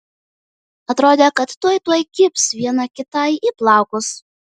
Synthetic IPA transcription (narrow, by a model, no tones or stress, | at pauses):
ɐt̪ɾoːd̪ʲekɐt̪t̪uɔjt̪uɔjkʲɪpsʋʲiɛnɐkʲɪt̪ɐɪiplˠɑˑʊkʊs